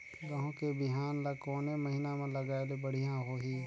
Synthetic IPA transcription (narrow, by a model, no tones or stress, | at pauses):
ɡɐɦõkebɪɦaːnlɐkoːnemɐɦinamẽlɐɡaːelebəɽ̤ijãɦoɦiː